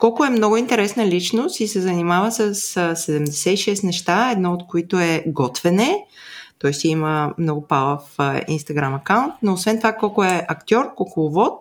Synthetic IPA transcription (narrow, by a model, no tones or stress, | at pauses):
kɔlˠkʊɛmnɔɡʊint̪ɛɾɛsnəlʲit͡ʃnʊst̪isɛzɐnimavəsəssːɛd̪ɛmd̪ɛsɛiʃɛst̪nɛʃt̪aɛd̪nɔot̪koit̪ʊɛɡɔt̪vɛnɛt̪ɔjst̪iiməmnɔɡʊpalˠəfḭnst̪ɐɡɾamɐkaʊnt̪noːsvɛnt̪ovakɔlˠkʊɛʔɐkt̪ʲɔɾkokʊlˠʊvɔt̪̚